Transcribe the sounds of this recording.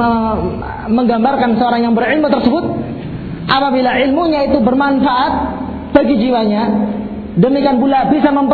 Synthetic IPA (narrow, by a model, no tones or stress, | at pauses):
ə | məŋɡambarkansəoɾaŋjaŋbərɪlmut̪ərsəbʊt̪̚ | ʔapabilaʔɪlmuɲait̪ubərmanfaʔat̪̚ | b̥aɡid͡ʒiwaɲa | dəmikianbulabisaməmp